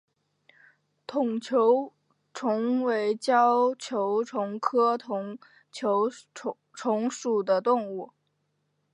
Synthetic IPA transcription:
t̪ʰʊ˨˩ŋt͡ɕʰjo˧˥ʊ | ʈ͡ʂʰʊ˧˥ŋwe˧˥ɪt͡ɕjɑ˥ʊt͡ɕʰjo˧˥ʊʈ͡ʂʰʊ˧˥ŋkʰɤ˥t̪ʰʊ˧˥ŋ | t͡ɕʰo˧˥ʊ | ʈ͡ʂʰʊ˧˥ŋʂu˨˩d̪ə˦t̪ʊ˥˧ŋu˥˩

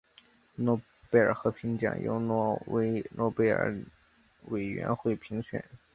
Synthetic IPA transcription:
nwɔ˥˧ | pe˥˩ɪə˞˨˩xɤ˧˥pʰi˧˥ŋt͡ɕjɑ̰˨˩ŋjo̰˧˥ʊnwɔ˥˩we˧˥ɪnwɔ˥˧pe˥˩ɪə̰˞˨˧˩ | we˨˩ɪɥɛ̰˧˥nxwe˥˩ɪpʰi˧˥ŋɕɥɛ̰˨˩˦n

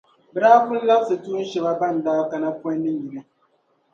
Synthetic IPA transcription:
bɨ˨ɾaː˦kʊ˦lla˦bsɨ˨tu˦n̩˦ʃɛ˨ba˦ba˦˨n˨daː˦ka˨na˦pɔ˦nːɨ˦ŋji˨na˦

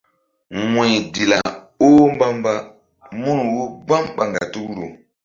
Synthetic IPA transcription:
ŋe˨jdi˨la̰˨ | o˦m˦ba˦mba˦ | mu˦n˨wu˦ɡ͡ba˦mk͡pa˨ŋɡa̰˨tu˦ku˦ɾo˨

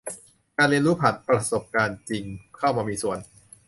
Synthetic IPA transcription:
kaː˧nli˧ənɾuː˦˥pʰa˨˩t̪̚pɾa˧so˨˩p̚kaː˧nt͡ɕi˧ŋkʰa˥˩wmaː˧miː˧su˨˩ən

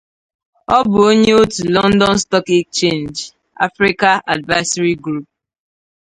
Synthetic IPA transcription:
ɔ˦bʊ˨o˦ɲe˦o˦tu˨lɔ̃˦ndɔ̃˦nstɔ˦ki˦k̚t͡ʃẽ˦˨nd͡ʒ | a̰˦fɾi˦ka˦ʔa̰˨dva˦sa˦ɾi˦ɡɾu˦p̚

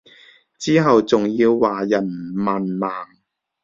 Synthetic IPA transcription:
t͡siː˥ɦɐ˨wt͡sʊ˨ŋjiː˧wːaː˨˩jɐ˨˩nmaː˨nmaː˨ŋ

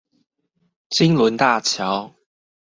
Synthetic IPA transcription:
t͡si˥ŋlu˨˥nt̪aː˥˧˩t͡ɕʰjɐ˨˥w

